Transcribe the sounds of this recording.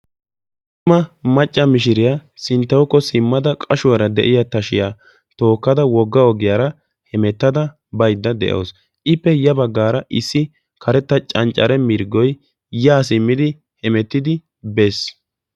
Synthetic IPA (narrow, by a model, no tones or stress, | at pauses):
t̪ | ʊmɐmɐt͡ʃʼːɐmɪʃ̬ɪɾɪjasɪnt̪ːɐwɔkːɔsɪmːɐd̪ɐkʼɐʃʊwɐɾɐd̪ɛ̰ʔɪjɐt̪ɐʃɪja | t̪o̞ːkːɐd̪ɐwɔɡːɐɔɡɪjaːɾɐ | hɛmɛt̪ːɐd̪ɐ | bɐjd̪ːɐd̪ɛ̰ʔo̞̰ːs | ʔɪpːɛjɐbɐɡːaːɾɐʔɪsːɪ | kʰɐɾɛt̪ːɐt͡ʃʼɐnt͡ʃʼːɐ̰ɾɛmɪɾɡɔj | jaːsɪmːɪd̪ɪ | hɛmɛt̪ːɪd̪ɪ | be̞ːs